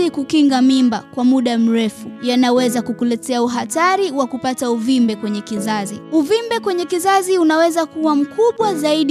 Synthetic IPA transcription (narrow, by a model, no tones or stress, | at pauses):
ikukiŋɡamimbakwamuɗam̩ɾɛfujanawɛzakukulɛtɛauɦataɾiwakupatauvimbɛkwɛɲɛkizaziuvimbɛkwɛɲɛkizaziunawɛzakuwam̩kʰuɓwazaiɗi